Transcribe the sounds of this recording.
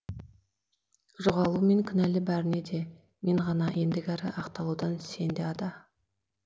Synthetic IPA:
ʒoʁɑlˠume̞ŋkʲʰʏnælɪbæɾɪne̞d̪e̞ | me̞ɴʁɑnɑʔe̞nd̪ɪɡʲæɾɪ̰ʔɑqt̪ɑlˠuwd̪ɑnse̞nd̪eɑd̪ɑ

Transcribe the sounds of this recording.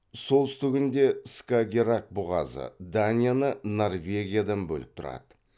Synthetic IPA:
so̞lˠsʏ̥t̪ɪɡʲɪnd̪e̞skaɡʲeɾak̚bʊʁɑ̰zə̰d̪anʲijanəno̞rvʲe̞ɡʲijad̪ɑnbɵ̰lɪp̚t̪ʰʊɾɑ̰d̪̥ə

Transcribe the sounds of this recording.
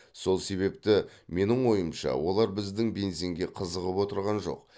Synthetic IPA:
so̞lˠse̞βe̞pt̪ɪme̞nɪɴwo̞jəmʃɑ̰wo̞lˠɑɾbɪzd̪ɪŋbe̞nse̞ŋɡʲe̞qʰəzəʁəpwo̞t̪əɾʁɑnʒo̞̰q

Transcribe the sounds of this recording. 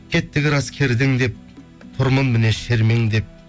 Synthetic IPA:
kʲʰet̪ːɪɡʲɪɾɑskʲʰe̞ɾd̪ɪŋd̪e̞p̚ | t̪ʰʊɾməŋmɪneʃeɾmeŋd̪e̞p̚

